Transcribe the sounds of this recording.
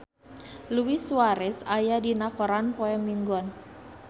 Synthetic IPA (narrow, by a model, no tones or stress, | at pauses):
luwisuaɾɛsajadinakɔɾanpɔɛŋmiŋɡɔn